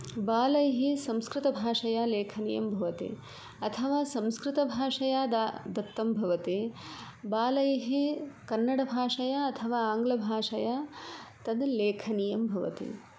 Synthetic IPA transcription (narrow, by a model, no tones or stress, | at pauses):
baːlɐjɐɦesɐ̃mskɾɪt̪ɐbʱaːʂɐjaːleːkʰɐnḭjɐ̰mbʱɐʋɐt̪ḭ | ɐt̪ʰɐʋaːsɐ̃mskɾɪt̪ɐbʱaːʂɐjaːd̪ad̪ɐt̪ːɐmbʱɐʋɐt̪e | baːlɐjɐɦekɐnːɐɽɐbʱaːʂɐjaːɐt̪ʰɐʋaːaːŋɡlɐbʱaːʂɐjaːt̪ɐd̪leːkʰɐnijɐmbʱɐʋɐ̰t̪ḭ